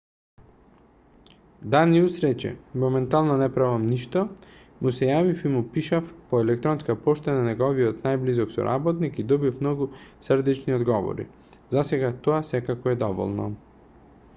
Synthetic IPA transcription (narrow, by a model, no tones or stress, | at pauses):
d̪aniusɾɛt͡ʃɛ̰mɔmɛnt̪alˠnɔnɛpɾavamniʃt̪ɔ | musɛjavifimupiʃafpɔɛlɛk̚t̪ɾɔnskapɔʃt̪ananɛɡɔviɔt̪najblizɔksɔ̰ɾʔa̰bɔt̪nikid̪ɔbifmnɔɡusrd̪ɛt͡ʃniɔd̪ɡɔvɔ̰ɾḭ | zasɛɡat̪ɔasɛkakɔɛd̪ɔvɔ̰lˠnɔ̰